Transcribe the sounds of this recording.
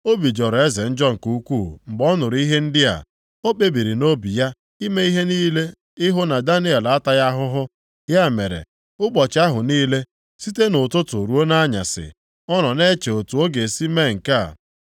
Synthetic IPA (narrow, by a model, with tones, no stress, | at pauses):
o˦bi˨d͡ʒɔ˨ɾe˦ze˨n̩˦d͡ʒɔ˦ŋ̩˨ku˦u˦kʷu˦˨ŋ͡m̩˨ɡ͡bɔ˦nʊ˨ɾi˦ɦe˦n̩˦dɪ˦a̰˨ | o˦k͡pe˦bi˨ɾi˨no˦bi˨ja˦ | i˦me˦i˦ɦe˦niː˦le˦ | ɪ˦ɦʊ˦na˨da˦ni˦e˨la˨a˦ta˦ja˦ɦʊ˦ɦʊ˦ | ja˦˨me˨ɾḛ˨ | ʊ˦k͡pɔ˨t͡ʃa˦ɦʊ˨niː˦le˦ | si˦te˦nʊ˨tʊ˦tʊ˨ɾu˦o˦na˦ɲa̰˨sɪ̰˨ | ɔ˦nɔ˨ne˦t͡ʃe˨o˨tu˨o˦ɡe˨si˦me˦˨ŋ̩˨ka˦˨